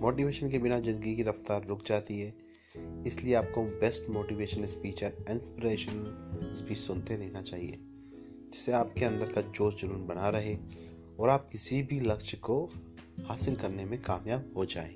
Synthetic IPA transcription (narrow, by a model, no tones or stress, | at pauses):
moːʈiʋeːʃənkebɪnazɪ̃nd̪əɡikiɾɐft̪aːɾːʊkʰd͡ʒaːt̪iɦɛː | ɪslieaːp̚kobɛːsʈmoːʈiʋeːʃənɪspiːt͡ʃɛɾɪ̃ːnspɪɾeːʃənɪspiːt͡ʃsʊnt̪eɾɐːnat͡ʃaːɦiḛː | d͡ʒɪseaːpkeɐ̃nd̪əɾkad͡ʒoːsd͡ʒʊɾuːnbɐnaɾɐɦe | ɔːɾaːp̚kɪsibʱilɐkʃko | haːsɪlkɐɾnemẽkaːmjaːb̚ɦod͡ʒa̰ːḛ̃ː